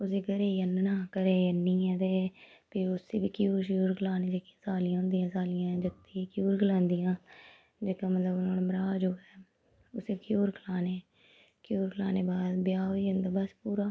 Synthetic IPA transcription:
ʊs̬eɡəɾeːiənːənãːkəɾeːənːiːɛ̃ːt̪eːpʰɪɾʊseːbiːkjuːɾʃjuːɾklaːneːd͡ʒeːkiãːsaːlijãːɦʊ̃nd̪ijãːsaːlɪjãːd͡ʒət̪ːiːkjuːɾkəlãːnd̪ijãː | d͡ʒeːkãːmət̪ləbnãːnːməɾaːd͡ʒoːɛː | ʊseːkjoːɾkʰəlaːneː | kjoːɾkəlaːneːbaːd̪bɪjaːɦoːiːənd̪aːbəspuːɾaː

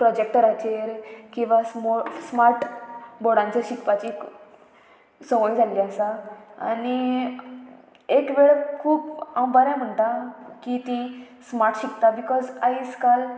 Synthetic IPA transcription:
pɾɔd͡ʑek̚ʈəɾat͡ɕʰeɾkĩw̃ʋasɔsmaɾʈbɔɽãɲt͡saɾɕikpat͡ɕik | sə̃ʋojd͡zʱaliəsaa̰ni | ekʋeɭkʰuːpawbəɾãm̤əɳt̪akit̪ĩ | smaɾʈɕikt̪abikɔzaiskal

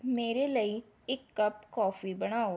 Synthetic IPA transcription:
meːɾelɐi | ɪkːɐp̚kɔːfibɐɽ̃aːo

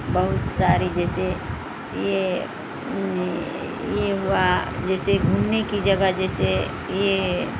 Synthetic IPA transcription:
bəɦʊt̪saːɾid͡ʒɛːse | je | jeɦʊad͡ʒɛːseɡʱuːmnekid͡ʒəɡəd͡ʒɛːse | je

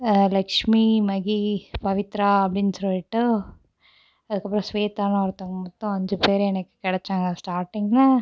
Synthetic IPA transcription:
lɐkʂmimɐɣipɐʋɪt̪ɾaːɐpːɐɽɪnːsɔlːɪʈːɯ | ɐðɯkːɐpːɾɔ̃sʋeːt̪aːnɐ̃ɐɾɯt̪ːaŋɡɐmɔt̪ːɔ̃ɔɲd͡ʒɔpeːɾɛnɐkːɯ̥kɛɽɛt͡ʃːaːŋɡɐsʈaːɾʈːɪŋɡɐnaː

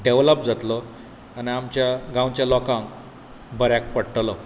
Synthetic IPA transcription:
ɖeʋləp̚d͡zat̪lɔ | aniamt͡ɕjaɡãwt͡ɕjalɔkãŋk | bəɾjak̚pəɽʈlɔ

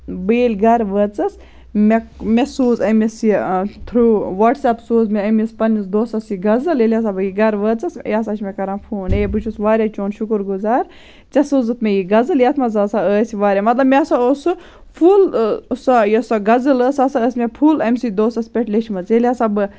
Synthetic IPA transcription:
beːlʲɡɐɾʋəːt͡sɐs | mekmʲesuːzɐmisit̪ʰɾuːʋɐʈsɐpsoːzmʲeɐmʲispɐnisd̪oːsɐsiɡɐzɨlelʲjas̬abɨjiɡɐɾʋəːt͡sɐsjas̬at͡ʃʰmɛkɐɾãːnpʰuːnebɨt͡ʃʰusʋaːɾʲat͡ʃoːnʃukɨɾɡuzaːɾ | t͡ʃɐsuːzɨt̪ʰmʲejiɡɐzɨljat̪ʰmɐzaːsaəːsʲiʋaːɾʲamɐt̪lɐbmʲesaosɨ | pʰulsajɐsɐɡɐzɨləːsasaəsmʲepʰulɐmʲsid̪oːsɐspʲeʈʲlʲet͡ʃʰimɐt͡selʲjasɐbɨ

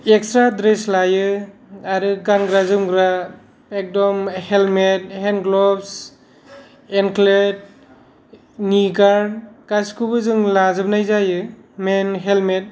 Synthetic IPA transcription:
ekstɾadɾeslajɯaɾɯɡanɡɾazɯmɡɾa | ek̚dɔmhelmet̚henɡlɔbs | enklet̚ | niɡaɾnkaskʰubɯzɯŋlazɯbnajzajɯmenɦelmet̚

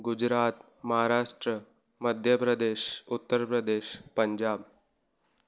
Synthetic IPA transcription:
ɡud͡ʑɾat̪ | məɦaɾaʂʈɾə | məd̪ʱjəpɾəd̪eɕut̪ːəɾpɾəd̪eːʃpəɲd͡ʑaːb̚

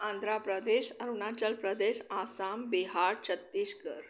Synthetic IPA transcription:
ãnd̪ʱɾapɾəd̪eɕəɾunat͡ɕəlpɾəd̪eɕasambeɦaɽt͡ɕʰət̪ːiːɕkəɾ

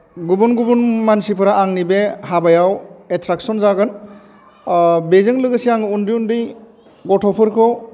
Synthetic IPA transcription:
ɡubunɡubunmansipʰɯɾaʔaŋnibehabajawetʰɾak̚sɔnzaɡɯn | bezɯŋlɯɡɯsiaŋɯundiundɯj | ɡɔtʰɔpʰɯɾkʰɔ

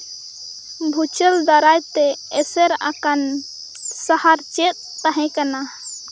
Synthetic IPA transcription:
bʱut͡ʃəld̪aɾajt̪ɛːsɛɾa̰kan | sahaɾt͡ʃɛt̪̚ːaɦɛ̃kana

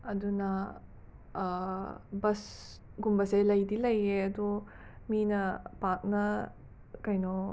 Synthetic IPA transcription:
ɐdunɐ | bɐs | ɡumbɐselɐjdilɐjeɐdɔ | minɐpak̚nɐ | kɐjnɔ

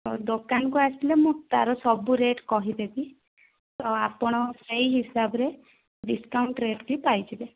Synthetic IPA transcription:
ɔd̪okanɔkuasilemũt̪aɾɔsɔbuɾeʈkɔɦid̪ebi | t̪ɔapɔɽ̃ɔsejɦisabɔɾe | ɖiskawɳʈɾeʈkipajt͡ʃʰibe

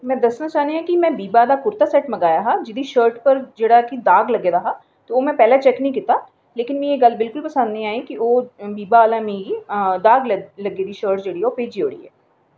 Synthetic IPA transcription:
mɛ̃ːd̪əsnaːt͡ʃaːniɦãkimɛ̃ːbiːbaːd̪aːkʊɾt̪aːsɛːʈməɡaːjaːɦaːd͡ʒɪd̪iʃəːɾʈpəɾd͡ʒeːɽaːkid̪aːɡləɡeːd̪aːɦaː | t̪ooːmɛ̃ːpɛːlaːt͡ʃɛknəɦĩkɪt̪aː | leːkɪnmɛ̃ːjeːɡəlbɪlkʊlpəsə̃nd̪nĩaːikioːbiːbaːlaːmid̪aːɡlləɡeːd̪iːʃəːɾʈd͡ʒeːɽiɦɛoːpeːd͡ʒiːɦo̰ːɽḭːɦɛ̰ː

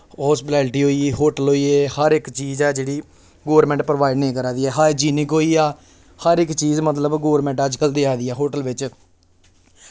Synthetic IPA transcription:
ɦɔːspɪʈɛːlʈiːɦoːiːɦoːʈəlɦoːiːeːhəɾɪkt͡ʃiːzɛːd͡ʒeːɽiː | ɡoːəɾmɛ̃ːɳʈ̚pɾəʋaːɪɖnẽːkəɾaːd̪iːɛːɦaːd͡ʒiːnɪkɦoːiːaː | həɾɪkːt͡ʃiːzmət̪̬ləbɡoːʋɾmɛ̃ːɳʈəd͡ʒkəld̪iːaːd̪iːɛːɦoːʈəlʋɪt͡ʃ

